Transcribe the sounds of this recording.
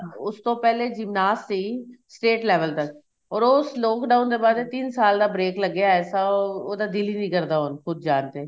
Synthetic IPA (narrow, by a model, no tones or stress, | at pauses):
ʊst̪õːpɛːled͡ʒɪmnaːst̪iːsʈeːʈlɛːʋəlt̪ək | ɔːɾoːʊsloːkɖaːʊnd̪eːbaːd̪et̪insaːld̪aːbɾeːkləɡeaɛːsaoːd̪aːd̪ɪliːnĩːkəɾd̪aːɦonxʊd̪̚d͡ʒaːnt̪eː